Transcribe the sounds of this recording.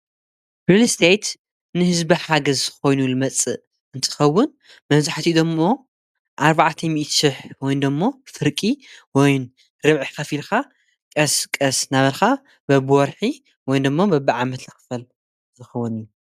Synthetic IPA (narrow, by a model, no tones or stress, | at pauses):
bɾilist̪ʰejt̪ | nɨhɨzbɐħaɡɐzko̞jnulɨmɐt͡sʼːɨ | ɨnt̪ʰɨ̥xɐwːʊn | mɐβzaħt̪ʰid̪omːo̞ | ʔaɾβaʕt̪ʰɐmiʔt̪sɨħwɔjnd̪ɐmːo̞fɨɾkʼiwɔjn | ɾɨβʕixɐfilxa | kʼɐskʼɐsnaβɐlxa | bɐbɨwɔɾħi | wɔjnd̪ɨmːobɐbiʕamɐt̪lɐxɨ̥fɐl | zɨxɐwɐniju